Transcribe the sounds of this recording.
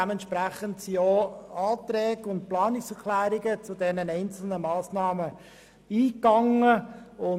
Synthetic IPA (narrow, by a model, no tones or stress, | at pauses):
ɛməntʃpɾæχəntsioːɑːtɾɛːɡʊnt̚plɑːnɪksɛʁkʰlæːɾɪɡət͡sʊdɛnənɛɪnt͡sl̩nəmɑːsnɑːmə | iːkɑŋəʊ